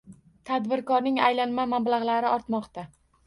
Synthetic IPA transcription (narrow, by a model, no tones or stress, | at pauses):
t̪ʰad̪bɪɾkɒɾnɪŋa̰jlanmamablaʁlaɾɪɒɾt̪mɒqt̪a